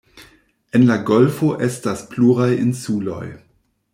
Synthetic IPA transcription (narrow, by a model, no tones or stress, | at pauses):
ʔenlaɡolfoʔestaspluʁajinsulo̰j